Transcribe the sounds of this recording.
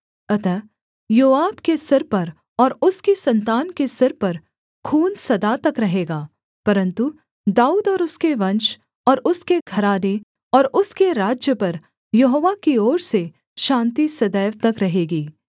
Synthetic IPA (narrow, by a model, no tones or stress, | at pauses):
ɐt̪ɐ | joːaːbkesɐɾpɐɾ | ɔːɾʊskisɐ̃nt̪aːnkesɐɾpɐɾ | kʰuːnsɐd̪at̪ɐkɾɐɦeːɡaː | pɐɾə̃nt̪u | d̪aːuːd̪ɔːɾʊskeʋɐ̃nt͡ʃ | ɔːɾʔʊskeɡʱɐɾaːne | ɔːɾʊskeɾaːd͡ʒjəpɐɾ | jɐɦoːʋakiɔːɾse | ʃãːnt̪isɐd̪ɛːʋt̪ɐkɾɐɦeːɡiː